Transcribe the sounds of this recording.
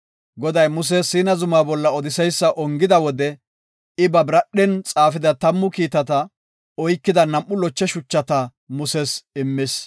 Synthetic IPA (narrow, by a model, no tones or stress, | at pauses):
ɡɔd̪ɐjmʊs̬ɛsiːnɐzʊmaːbɔlːɐɔd̪ɪsɛjsːɐʔɔŋɡɪd̪ɐwɔd̪ɛ | ɪbɐbɾɐɗɛnt͡sʼaːfɪd̪ɐt̪ɐmːʊkiːt̪ɐt̪ɐ | ɔjkːɪd̪ɐnɐmʔːʊlɔt͡ʃːɛʃʊt͡ʃːɐt̪ɐ | mʊsɛsɪmːɪs